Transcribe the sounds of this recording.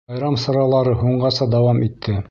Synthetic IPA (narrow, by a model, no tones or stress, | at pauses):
ɑjɾɑmsɑɾɑlˠɑɾɤɦuɴɢɑsɑd̪ɑwɑmit̪ʰːɘ